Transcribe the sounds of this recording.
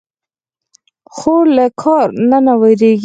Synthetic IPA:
xolakʰɑɾnanawajɾeɡ

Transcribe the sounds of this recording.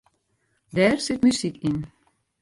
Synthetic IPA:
d̪æːrsɪtmysikɪn

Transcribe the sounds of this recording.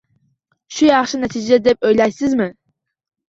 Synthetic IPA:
ʃujɑχʃɪnɛt̪ʰɪd͡ʒɛd̪ɛp̚øjlæjsɪzmɪ

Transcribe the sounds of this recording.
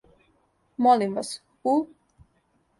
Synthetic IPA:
molimʋas | u

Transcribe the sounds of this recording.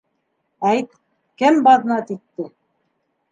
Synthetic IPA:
æjt̪̚ | kɘmbɑðɤ̆nɑt̪it̪ːɘ

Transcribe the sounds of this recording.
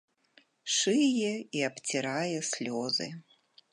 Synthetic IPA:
ʂɨjɛiapt͡sʲiɾajɛsʲlʲɔzɨ̰

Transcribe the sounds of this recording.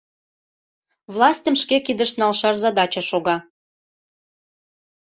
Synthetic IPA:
vlˠɑsʲtʲə̆mʃkekid̪əʃnɑlˠʃɑrzɑd̪ɑt͡ɕɑʃoɣɑ

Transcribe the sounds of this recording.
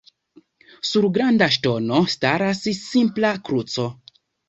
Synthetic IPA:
suɾɡɾandaʃ̬to̞no̞staɾassimplakɾut͡so̞

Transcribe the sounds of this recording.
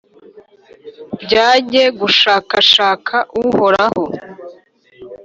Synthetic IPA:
bɟaːɟe̞ɡuʃaːkaʃaːkʰaʔuho̞ɾaho

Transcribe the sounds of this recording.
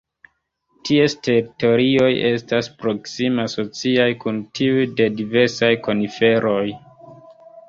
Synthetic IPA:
tʰieste̞ɾito̞ɾio̞je̞staspɾo̞ksimaso̞t͡siajkuntʰiujde̞dive̞ɾsajko̞nife̞ɾo̞j

